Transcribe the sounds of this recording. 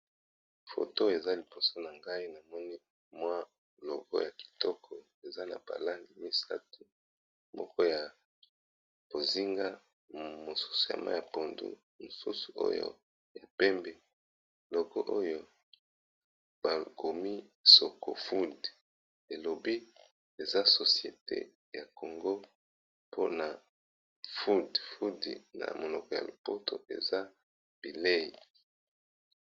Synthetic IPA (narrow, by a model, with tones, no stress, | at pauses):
fo̰˨to˦e˨za˦li˨po˨so˦na˨ŋɡa˦i˦na˨mɔ˦ni˦ | mwa˦ | lɔ˨ɡɔ̰˦ja˨ki̥˨tɔ˦kʰɔ˨ | e˨za˦na̰˨b̥a̰˨la˦ŋɡi˨mi˦sa˦tu˦ | mɔ˦kɔ˦ja˨ | b̥o˨zi˦ŋɡa˦ | mo˨su̥˦su˨ja̰˨ma̰˦ja˨po˨ndṵ˦ | mo˨su˦su̥˨ʔo̰˦jo̰˦ | ja˨pɛ˦mbɛ˨ | lɔ˨ɡo˦ʔo˦jo˦ | b̥a˨ɡo˨mi˦so˨ko̰˨fu˦d | e˨lo˨bi˦ | e˨za˦so˨si˨e˨tḛ˦ | ja˨ko˨ŋɡo˦ | pʰo˦na˨ | fu˦dfu˦di˨na̰˨mo˨lɔ˨kɔ˨ja̰˨lo˨po˦tʰo˨ʔḛ˨za˦ | b̥i˨le˦˨i˨